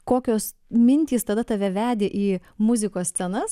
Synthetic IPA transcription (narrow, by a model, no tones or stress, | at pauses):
koːkʲoːs | mʲɪnʲt̪ʲiːst̪ɐd̪ɐt̪ɑʋʲɛʋʲæːd̪ʲeʔiːmʊzʲɪkoːssʲt͡s̪ʲɛnɐs